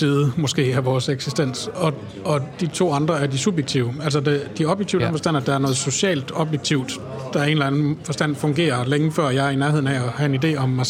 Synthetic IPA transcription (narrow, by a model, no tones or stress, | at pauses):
siːð̩ˠmɒ̽sɡ̥e̝̰ːæʋɒːseɡ̥sisd̥en̰sɒ̽ | ɒ̽d̥it͡sʰo̝̰ːɑ̈nd̥ʁɐæɐd̥isub̥jeɡ̥t͡sʰiʊəæl̰sɒd̥ed̥iɒ̽b̥jeɡ̥̚t͡sʰḭʊ̥æn̩fɒsd̥æn̰æd̥ɑ̈æɐnɔ̽ːð̞̩ˠso̝ɕɛ̰ːld̥ɒ̽b̥jeɡ̥̚t͡sʰiʊ̰d̥ | d̥ɑ̈æɐe̝nlæn̩fɒ̽sd̥æn̰fɔ̽ŋɡ̥e̝̰ːɐleŋəfɶɐ̰jɑ̈ɪinæɐɦe̝ð̰ˠn̩ɛɒhæe̝nide̝̰ːɒ̽mːɑ